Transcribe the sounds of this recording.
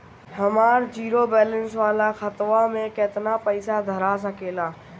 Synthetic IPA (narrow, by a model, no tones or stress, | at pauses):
həmaːɾd͡ʒiːɾoːbɛːlənsʋaːlaxət̪ʋamẽkeːt̪napəɪsad̪ʱəɾas̬əkeːlaː